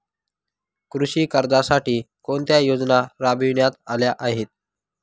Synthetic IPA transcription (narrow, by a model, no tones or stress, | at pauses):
kɾuɕiːkəɾd͡zasaʈiːkoɳt̪jajod͡znaɾabiɳjat̪aljaʔaɦet̪̚